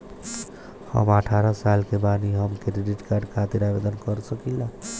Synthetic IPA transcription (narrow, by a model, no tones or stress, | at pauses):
hə̰məʈʰaɾəsalkebaniɦəmkeɾeɖiʈkaɾɖkʰat̪iɾabed̪ənkəɾsəkila